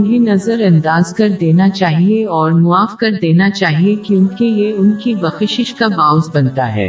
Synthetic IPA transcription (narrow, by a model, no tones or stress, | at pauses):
bʱinɐzəɾɐ̃nd̪aːzkɐɾd̪eːnat͡ʃaːɦieɔːɾmʊaːfkɐɾd̪eːnat͡ʃaːɦiekjõːkijeʊnkibɐxɪʃɪʃkabaːʊzbɐnt̪aɦɛ̰ː